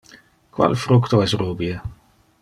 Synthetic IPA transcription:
kwa̰lfɾʊkt̪ɔɛsruːbiə

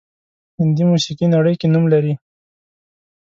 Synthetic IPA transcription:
hɪnd̪imusiqinaɽəjkenumlaɾi

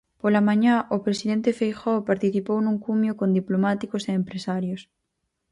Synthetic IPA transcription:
polamãɲãʔopɾesiðɛnt̪efejxɔpaɾt̪iθipownũŋkumjokond̪iplomat̪ikoseːmpɾesaɾjos

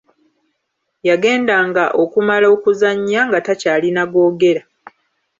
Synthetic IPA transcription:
jaɡe̞ːndaːŋɡaʔo̞kumalo̞ːkuzaɲːaŋɡatacaːlinaɡo̞ːɡe̞ɾa

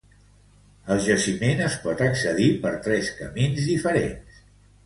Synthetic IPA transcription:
əlˠʒəsimenəspɔt̪əksəð̞ipəɾt̪ɾɛskəminzðifəɾḛns

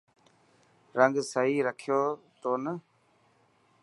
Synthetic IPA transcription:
ɾəŋɡsəɦiːɾəkʰɪjoːt̪oːnə

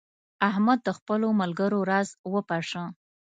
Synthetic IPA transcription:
ahmad̪̚ːəxpəlomalɡəɾoɾazwəpaʂə

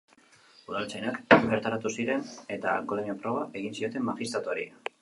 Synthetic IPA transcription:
uðalt͡sajnakbeɾt̪aɾat̪usiɾe̞ne̞t̪akolenopɾo̞βaʔe̞ɣinsio̞t̪e̞mːaxist̪ɾat̪uoɾḭa

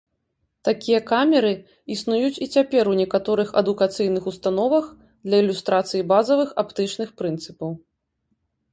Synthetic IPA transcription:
t̪akʲijɐkamʲɛɾɨ | isnujut͡sʲit͡sʲapʲɛɾwnʲɛkat̪ɔɾɨxɐ̰d̪ukat̪sɨjnɨxust̪an̪ɔvɐx | d̪lʲɐilʲust̪ɾat̪sɨjibazɐvɨxapt̪ɨt͡ʂnɨxpɾɨnt̪sɨpɐw

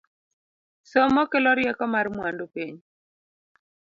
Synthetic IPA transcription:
sɔmɔkelɔɾjɛkɔmarmwandopiɲ

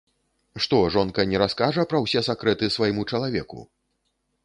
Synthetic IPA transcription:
ʂt̪ɔʐɔnkɐnʲɛɾaskaʐɐpɾɐwsʲɛsakɾɛt̪ɨsvajimut͡ʂɐlˠavʲɛkṵ

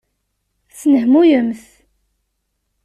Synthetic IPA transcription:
θnəhmujəmθ

